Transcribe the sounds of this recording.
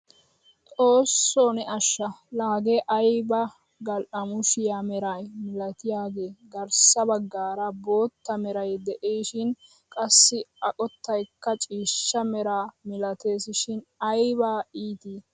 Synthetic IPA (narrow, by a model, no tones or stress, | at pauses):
t̪ʼo̞ːsːoːnɛɐʃːɐlaːɡeʔɐjbɐ | ɡɐlʔɐmʊʃɪjamɛɾɐjmɪlɐt̪ɪjaːɡe̞ːɡɐɾsɐbɐɡːaːɾɐbo̞ːt̪ːɐmɛɾɐjd̪ɛʔeːʃɪn | kʼɐsːɪɐkʼɔt̪ːɐjkːɐt͡ʃʼiːʃːɐmɛɾaːmɪlɐt̪e̞ːsɪʃɪnɐjbaːiːt̪iː